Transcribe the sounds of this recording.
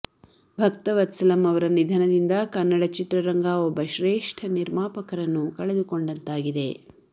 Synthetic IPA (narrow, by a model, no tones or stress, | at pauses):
bʱɐkt̪ɐʋɐt̪sɐlɐmɐʋɐɾɐnid̪ʱɐnɐd̪ind̪ɐkɐnːɐɽɐt͡ʃit̪ɾɐɾɐŋɡaːobːɐʃɾeːʂʈʰɐniɾmaːpɐkɐɾɐnːukɐɭed̪uko̞ɳɖɐnt̪aːɡid̪e̞